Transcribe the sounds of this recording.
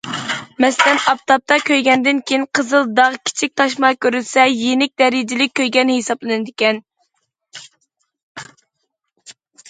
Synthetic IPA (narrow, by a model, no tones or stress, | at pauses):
mɛsɪlɛnɑp̚t̪ʰɑp̚t̪ʰɑkʲʰøjɡʲɛnd̪ɪnkʲʰejinqʰəzɨlˠd̪ɑʁkʲʰi̥t͡ʃʰik̚ʲt̪ʰɑʃ̬mɑkʲʰøɾylsɛjenɪk̚ʲd̪ɛɾid͡ʒɪlɪk̚ʲːøjɡʲɛnhesɑblˠɨnɨd̪ɪkʲɛn